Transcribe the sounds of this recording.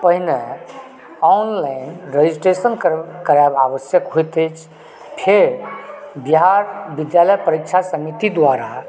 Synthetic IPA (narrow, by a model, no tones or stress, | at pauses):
pəɦine | ɔnlanɾed͡ʒisʈɾesənkkəɾabaʋəsjəkɦojt̪ət͡ʃʰ | pʰeɾbiɦaɾbid̪jaləjpəɾik̚t͡ʃʰasəmit̪id̪waɾa